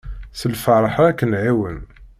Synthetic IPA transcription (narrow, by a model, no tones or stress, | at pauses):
səlfɑɾˤɑħɾˤækːənʕiwən